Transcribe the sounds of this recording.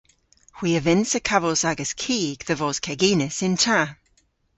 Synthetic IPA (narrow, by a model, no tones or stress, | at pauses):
hwiːəvɪnsəkʰavəlˠsaɡəskʰiːɡ̥ðəvɔːz̥kʰɛɡiːnɪsɪntʰa